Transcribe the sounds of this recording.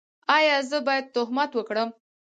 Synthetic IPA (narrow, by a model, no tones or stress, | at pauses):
ɑjɑzəbɑjad̪̚t̪ʊɦmat̪wəkɽəm